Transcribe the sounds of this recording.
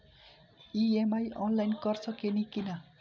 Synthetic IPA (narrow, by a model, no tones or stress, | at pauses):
iemajʔʌnlajnkʌrsʰʌkenikinʌ